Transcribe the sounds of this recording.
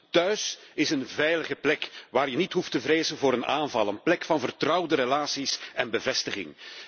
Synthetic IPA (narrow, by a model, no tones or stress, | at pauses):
tœɥsɪsənvɛjləɣəplɛkʋaːɾjənitɦuftəvɾeːzənvʊːɾənaːnvɑlˠənplɛkfɑnvərtrʌwdəɾəlaːsisɛnbəvɛstəɣɪ̰ŋ